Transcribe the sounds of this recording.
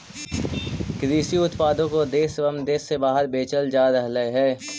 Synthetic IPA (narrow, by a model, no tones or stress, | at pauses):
kɾiːsiʊt̪paːd̪õkod̪eːsʋɐmd̪eːsːebaːɦəɾbeːt͡ʃəld͡ʒaːɾəɦləeɦɛː